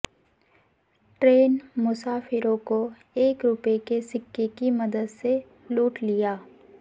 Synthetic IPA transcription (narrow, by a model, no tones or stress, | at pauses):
ʈɾeːnmʊsaːfɪɾõko | eːkɾʊpekesɪkːekimɐd̪əd̪se | luːʈlijaː